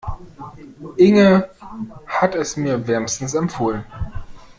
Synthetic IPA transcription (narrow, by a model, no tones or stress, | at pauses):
ʔɪŋə | hatɛsmiːɐvɛɐmstn̩sɛmpfoːlən